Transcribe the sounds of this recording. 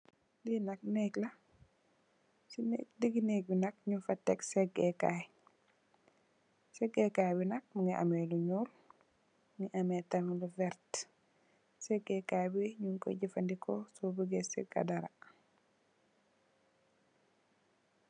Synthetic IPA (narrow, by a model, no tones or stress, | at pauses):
dinɐk̚nɛklɐ | sinɛdəɡinek̚binɐk̚ɲufɐtːɛksɛɡɛkaj | sɛɡɛkajbinɐk̚muŋiʔɐ̰mɛluɲul | mŋiʔɐmɛtɐŋluvɛɾt | sɛɡɛkajbiɲuŋkɔ̰ɟifɐndikʰɔsɔbəɡesɛ̰ɡɐ̰dɐɾɐ̰